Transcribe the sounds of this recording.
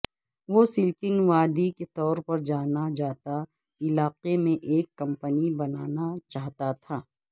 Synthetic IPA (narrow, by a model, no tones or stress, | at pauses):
ʋosɪlkɪnʋaːd̪iket̪ɔːɾpɐɾd͡ʒaːnad͡ʒaːt̪a | ɪlaːqemẽʔeːkːɐ̃mpənibɐnaːnat͡ʃaːɦt̪at̪ʰaː